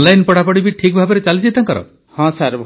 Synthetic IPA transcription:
nlajnpɔɽ̤apɔɽibiʈʰikbʱabɔɾet͡ʃalid͡ʒit̪aŋkɔɾɔ̰ | hɔ̃saɾb

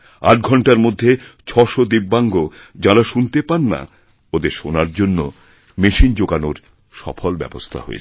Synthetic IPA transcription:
a̰ʈ̚ɡʱɔɳʈaɾmod̪ʱːet͡ɕʰɔʃod̪ibːaŋɡo | d͡ʑaɾaʃunt̪epanːa̰ | od̪eɾʃonaɾd͡ʑonːo | meʃind͡ʑoɡanoɾ | ʃɔ̰folbɛ̰bost̪ʰa̰ɦo̰ḛ

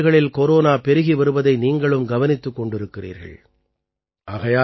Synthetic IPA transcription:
ɣɐɭɪlkoɾoːnaːpɛɾɯɣiʋɐɾɯʋɐðɐɪniːŋɡɐɭɯmɡɐʋɐnɪt̪ːɯkːɔɳɖɪɾɯkːɪrḭːɾɣɐ̰ɭ | ʔaːɣɐjaː

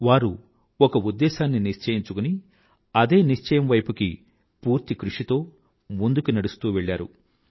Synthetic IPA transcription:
ʋaːɾu | ɔkɐud̪ːɛːʃaːnːiniʃt͡ʃɐjiɲt͡ʃukuni | ɐd̪e̞ːniʂt͡ʃɐjɐmʋɐjpuki | puːɾt̪ikɾuʂit̪o̞ː | mund̪ukunɐɽust̪uːʋeɭːaːɾṵ

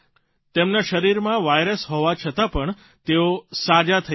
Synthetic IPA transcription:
t̪emnaʃəɾiɾmãʋajɾəsɦɔʋat͡ʃʰət̪apəɳ | t̪eosad͡ʒat̪ʰə

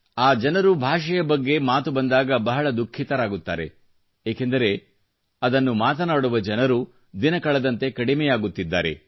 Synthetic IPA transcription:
aːd͡ʒɐnɐɾubʱaːʂɐjɐbɐɡːe̞maːt̪ubɐnd̪aːɡɐbɐɦɐɭɐd̪ukʰːit̪ɐɾaːɡut̪ːa̰ːɾe̞̰ | eːkend̪ɐɾe̞ | ɐd̪ɐnːumaːt̪ɐnaːɽuʋɐd͡ʒɐnɐɾu | d̪inɐkɐɭɐd̪ɐnt̪e̞kɐɽimɛjaːɡut̪ːid̪ːaːɾe̞̰

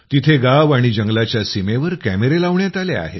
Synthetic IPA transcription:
t̪it̪ʰeɡaʋaɽ̃id͡ʑəŋɡlat͡ɕjasimeʋəɾkæmeɾelaʋɳjat̪alea̰ɦḛ

